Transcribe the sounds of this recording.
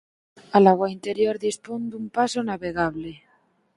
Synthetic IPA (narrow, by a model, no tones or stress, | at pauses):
alaɣwaint̪eɾjoɾðispond̪umpasonaβeɣ̞aβle